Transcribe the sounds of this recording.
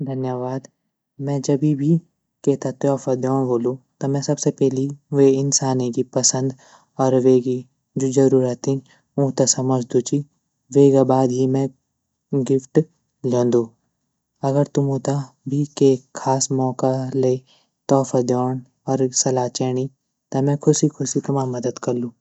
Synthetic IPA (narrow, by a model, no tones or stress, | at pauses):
d̪ʱɐnjəʋaːd̪ | mɛ̃ːd͡ʒɐbʱibʱi | keːt̪at̪jɔːfad̪jɔːɳ̃boːlũt̪omɛ̃sɐbsepɛɦliʋeɪnsaːnikipɐsə̃nd̪ | ɔːɾʋeːɡi | d͡ʒod͡ʒɐɾuːɾət̪ɦĩ | ũːt̪asɐməd͡ʒʱd̪ut͡ʃi | ʋeːɡabaːd̪ɦimɛ̃ | ɡɪfʈ | lõːnd̪oː | ɐɡəɾt̪ʊmũːt̪a | bʱikekʰːaːsmɔːkaleː | t̪ɔːfad̪jɔːɳ̃ | ɔːɾsɐlaːt͡ʃɛːɽ̃i | t̪ɐmɛ̃kʰʊsikʰʊsikɐmãmɐd̪əd̪kɐɾlũː